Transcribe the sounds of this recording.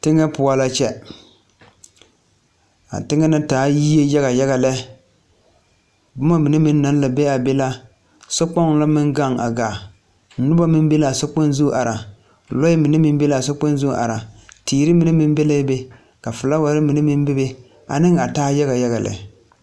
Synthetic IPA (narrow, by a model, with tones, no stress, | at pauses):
tɪ˦ŋɛ˦pʊ˨a˦la˦t͡ʃɛ˦ | a̰˨tɪ˦ŋɛ˦na˦taː˨˦ji˦je˦ja˦ɣa˨ja˦ɣa˨lɛ˦ | bʊ˦ma˦mɨ˨nɨ˦mɪ˦nː˦a˨˦n˦la˨be˦a˨be˦la˦ | sɔ˦k͡pɔ˦ŋ˦la˦mɪ˦ŋɡa˦˨ŋa̰˨ɡaː˨˦ | nʊ˦ba˦mɪ˦m˦be˦la˨so˦k͡po˦nzu˦ʔa˨ɾa˨ | lɔ˦jɪ˦mɨ˨nɛ˦mɪ˦m˦be˦la˨so˦k͡po˦n˦zu˦˨ʔa̰˨ɾa˨tiː˨ɾɨ˦mɨ˨˦nɨ˦mɪ˦m˦be˦lɛ˦be˦ | ka˨fɨ˨la˦wa˨ɾɪ˦mi˨nɨ˦mɪ˦m˦bɪ˦be˦ | a̰˨nɪ˦ŋa˨taː˦ja˦ɣa˨ja˦ɣa˨lɛ̰˨